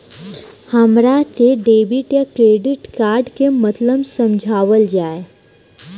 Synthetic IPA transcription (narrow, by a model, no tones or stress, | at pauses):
həmɾaʈeɖeːbɪʈjakɾeːɖɪʈkaːɾɖkemɐt̪ləbsɐmd͡ʒʱaːʋəld͡ʒaːe